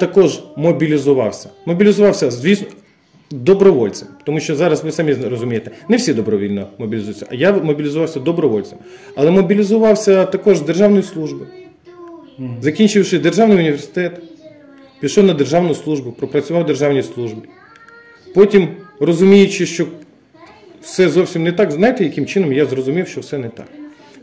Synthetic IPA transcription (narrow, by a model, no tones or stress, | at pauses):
t̪ɐkɔʒmɔbʲilʲɪzʊʋɑ̰wsʲɐ̥mɔbʲilʲɪzʊʋɑwsʲɐzʋʲisn | d̪ɔbɾɔʋɔlʲt̪sɛmpt̪ɔmuʃt͡ʃɔzɑɾɐsʋɪsamʲirɔzʊmʲejet̪ɪnɛwsʲid̪ɔbɾɔʋʲilʲnɔmɔbʲilʲɪzujt͡sʲːɐʔjamɔbʲilʲɪzʊʋɑwsʲɐd̪ɔbɾɔʋɔlʲtt͡s̪ɨm | ɐlˠɛmɔbʲilʲɪzʊʋɑwsʲɐt̪ɐkɔʒd̪erʒɑwnɔjʊslˠuʒbɨ | zɐkʲinʲt͡ʃɪwʂɪd̪erʒɑwnɨjʊnʲiʋʲersɪ̥t̪ɛt̪ | pʲiʃɔwnɐd̪erʒɑwnʊjslˠuʒbʊpɾɔpɾɐt͡sʲʊʋɑwd̪erʒɑwnʲijslˠuʒbi | pɔtʲimrɔzʊmʲijʊt͡ʃɪʃt͡ʃɔ | wsɛzɔwsʲimnɛt̪ɑkznajɪt̪ɪjɐkɪmt͡ʃɪnɔmjazrɔzʊmʲiwʃt͡ʃɔwsɛnɛt̪ɑ̰k